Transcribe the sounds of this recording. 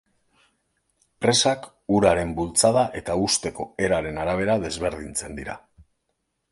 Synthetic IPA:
pɾe̞sak | uɾaɾe̞mbult͡sað̞aʔe̞t̪aust̪e̞ko̞e̞ɾaɾe̞naɾaβ̞e̞ɾaðe̞zβe̞ɾðint͡se̞nd̪iɾa̰

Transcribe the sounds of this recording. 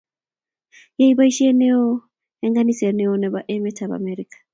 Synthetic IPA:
jaiβaiʃeneo | eŋɡanisenɛoneβaʔemetʰaβa̰meɾikḁ

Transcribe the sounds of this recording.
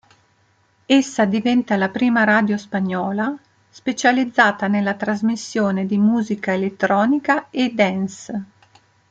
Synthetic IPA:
esːad̪ivɛnt̪alapɾiːmaɾaːd̪jospaɲːɔːla | spet͡ʃalid̪zːaːt̪anelːat̪ɾazmisːjoːned̪imuːzikaelet̪ːɾɔːnikaed̪ɛns

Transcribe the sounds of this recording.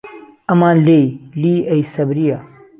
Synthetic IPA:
ɐmãːlejliːɐjsɐbɾijaː

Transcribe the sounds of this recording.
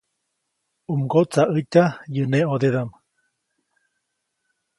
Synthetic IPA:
umɡot͡saʔəcʲajəneod̪ed̪am

